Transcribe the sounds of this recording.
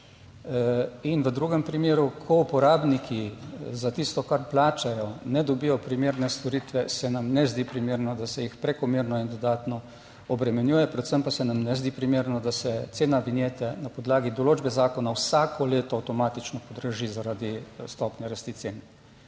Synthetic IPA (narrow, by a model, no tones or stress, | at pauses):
inʋəd̪ɾuːɡɛmpɾimeːɾukʰɔupɔɾaːbnikʰizat̪ist̪ɔkaɾplaːt͡ʃajɔnɛd̪ɔbijɔpɾimeːɾnɛst̪ɔɾit̪ʋɛsɛnamnɛzd̪ipɾimeːɾnɔd̪asɛjixpɾɛkɔmeːɾnɔind̪ɔd̪aːt̪nɔ | ɔbɾɛmɛnjuːjɛpɾɛt̪səmpasɛnamnɛzd̪iːpɾimeːɾnɔd̪asɛt̪seːnaʋinjeːt̪ɛnapɔd̪laːɡid̪ɔloːd͡ʒbɛzaːkɔnawsaːkʰɔleːt̪ɔawt̪ɔmaːt̪it͡ʃnɔpɔd̪ɾəʒizaɾad̪ist̪ɔpnjɛɾəst̪it̪seːn